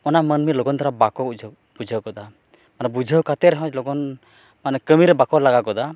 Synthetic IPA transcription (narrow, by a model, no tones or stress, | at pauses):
ɔnamənmilɔɡɔnt̪ʰaɾabakɔud͡ʒʱ | bud͡ʒʱəwkɔd̪a | manɛbud͡ʒʱəwkat̪ɛɾɛɦɔ̃t͡ʃlɔɡɔn | manɛkəmiɾɛbakɔlaɡakɔd̪a